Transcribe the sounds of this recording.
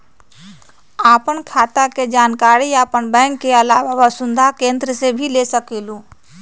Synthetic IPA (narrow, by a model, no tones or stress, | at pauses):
aːpənkʰaːt̪aked͡ʒaːnkaːɾiaːpəɳbɛ̃ːŋkːeəlaːʋaʋasʊ̃nd̪ʱakẽːnd̪ɾəsebʱilesəkeːlũː